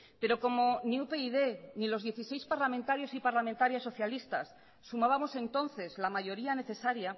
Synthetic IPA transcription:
pe̞ɾo̞ko̞mo̞niupeiðe̞nilo̞zðje̞θise̞jspaɾlament̪aɾjo̞sipaɾlamẽnt̪aɾjasːo̞θjalist̪asː | umaβamo̞se̞nt̪o̞nθe̞zlamaʝo̞ɾiane̞θe̞saɾja

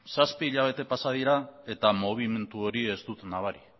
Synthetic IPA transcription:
saspiːʎaβ̞e̞t̪e̞pasað̞iɾae̞t̪amo̞β̞ime̞nt̪uo̞ɾie̞zt̪ut̪naβ̞aɾi

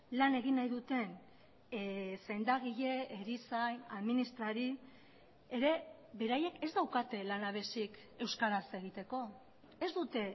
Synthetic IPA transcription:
lane̞ɣ̞inːajðut̪e̞n | se̞nd̪aɣ̞iʎe̞eɾisaja̰ðminist̪ɾaɾi | e̞ɾe̞ | βe̞ɾaje̞kezd̪awkat̪e̞lanaβ̞e̞sik | e̞wskaɾaseɣ̞it̪e̞ko̞ | e̞zd̪ut̪e̞

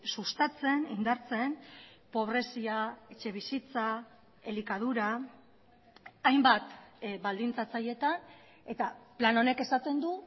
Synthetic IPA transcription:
sust̪at͡se̞nind̪aɾt͡se̞n | po̞β̞ɾe̞siae̞t͡ʃe̞βisit͡sa | e̞likað̞uɾa | jmbat̪bald̪int͡sat͡saje̞t̪an | e̞t̪aplano̞ne̞ke̞sat̪e̞nd̪u

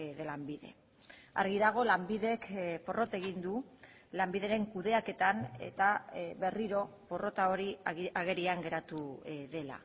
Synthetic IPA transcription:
ðelambiðe̞̰ | a̰ɾɣiðaɣ̞o̞lambiðe̞kpo̞ro̞t̪e̞ɣind̪u | lambiðe̞ɾe̞ŋkuðe̞ake̞t̪anḛt̪aβe̞riɾo̞ | po̞ro̞t̪ao̞ɾiaɣe̞ɾiaŋɡe̞ɾat̪uðe̞la̰

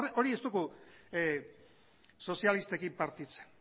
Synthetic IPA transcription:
reo̞ɾie̞st̪uku | so̞sialist̪ekimpaɾt̪it͡se̥n

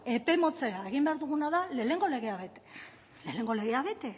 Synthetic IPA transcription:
e̞pe̞mo̞t͡se̞ɾae̞ɣ̞imbe̞aɾðuɣ̞unaðale̞le̞ŋɡo̞le̞ɣ̞e̞aβe̞t̪e̥ | le̞le̞ŋɡo̞le̞ɣ̞eaβe̞t̪e

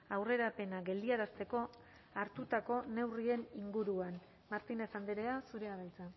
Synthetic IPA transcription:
awre̞ɾape̞naɡe̞ld̪iaɾast̪e̞ko̞ | aɾt̪ut̪ako̞ne̞wrie̞niŋɡuɾuan | maɾt̪ine̞sand̪iɾeasuɾe̞aβajt͡sa

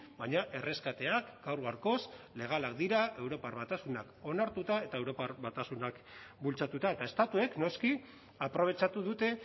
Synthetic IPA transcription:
baɲaʔe̞re̞skat̪e̞akɡ̥awɾɣ̞aɾko̞sle̞ɣ̞alak̚d̪iɾaʔe̞wɾo̞parβat̪asunako̞naɾt̪ut̪ae̞t̪ae̞wɾo̞parβat̪asunak | bult͡sat̪ut̪aet̪ae̞st̪at̪ue̞kno̞ski | apɾo̞β̞e̞t͡ʃat̪uðut̪e̞

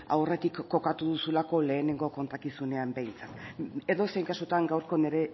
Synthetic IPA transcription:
a̰wre̞t̪ikːo̞kat̪uðusulako̞le̞ːne̞ŋɡo̞ko̞nt̪akisune̞ambe̞jnt͡sat̪e̞ðo̞sejŋkasut̪aŋɡawɾko̞ne̞ɾe̞

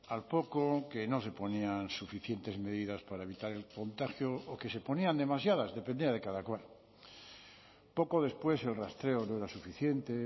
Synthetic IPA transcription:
alpo̞kokeno̞s̬e̞po̞niansufiθje̞nt̪e̞zme̞ðiðaspaɾaeβit̪aɾe̞lko̞nt̪axjoːke̞se̞po̞niand̪e̞mas̬jaðazðe̞pend̪iað̞ekaðakwal | po̞ko̞ðe̞spwe̞se̞lrast̪ɾe̞onoeɾasufiθje̞nt̪e

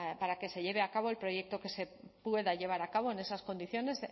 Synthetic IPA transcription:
paɾake̞se̞ʎe̞β̞e̞akaβo̞e̞lpɾo̞je̞k̚t̪o̞ke̞se̞ | pwe̞ðaʝe̞βaɾakaβ̞o̞ene̞sasko̞nd̪iθjo̞ne̞z

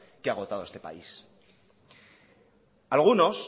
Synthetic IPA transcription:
keaɣ̞o̞t̪að̞o̞est̪e̞pa̰is | alɣ̞uno̞s

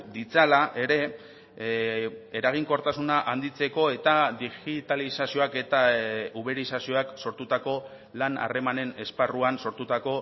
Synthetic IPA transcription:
d̪it͡salaʔe̞ɾe̞ | eɾaɣ̞iŋko̞ɾt̪asunaʔand̪it͡se̞ko̞e̞t̪aðiɣit̪alisasio̞ake̞t̪auβeɾisasio̞akso̞ɾt̪ut̪ako̞ | lana̰re̞mane̞ne̞sparuanso̞ɾt̪ut̪ako̞

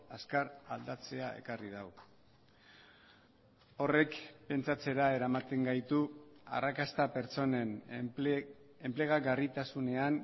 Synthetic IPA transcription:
askaɾald̪at͡se̞ae̞̰karið̞aw | o̞re̞kpe̞nt͡sat͡se̞ɾae̞ɾamat̪e̞ŋɡajt̪ua̰rakast̪ape̞ɾt͡so̞ne̞n | e̞mple̞ɣ̞aɡarit̪asune̞an

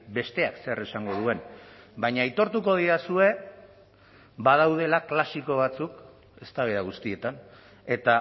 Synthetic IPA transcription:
be̞st̪e̞akse̞ɾe̞saŋɡo̞ð̞ue̞nbaɲait̪o̞ɾt̪uko̞ð̞iɾasue̞ | bað̞awð̞e̞laklasiko̞β̞at͡suk | e̞st̪aβeɾaɣ̞ust̪ie̞t̪an | e̞t̪a

